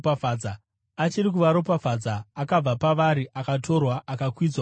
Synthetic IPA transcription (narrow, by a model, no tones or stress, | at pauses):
pafaːd͡za | at͡ʃirik̬uʋaɾop̬afad͡zaːkab͡vapaʋaɾiʔakato̞rwaʔːkakwid͡zwa